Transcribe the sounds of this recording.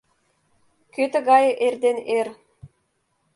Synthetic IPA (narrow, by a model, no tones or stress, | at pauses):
køt̪ɘ̆ɣɑjɤʔerd̪ener